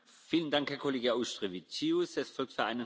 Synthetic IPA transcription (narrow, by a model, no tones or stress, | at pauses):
fiːləndaŋkhɛɐkʰoleːɡəaʊʃtʁ̥evit͡siusɛsfɔlk̚tfyɐa̰ɪnə